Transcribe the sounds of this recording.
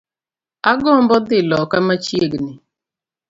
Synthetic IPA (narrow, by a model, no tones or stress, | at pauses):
aɡɔmbɔd̪ɪlɔkamat͡ʃieɡnɪ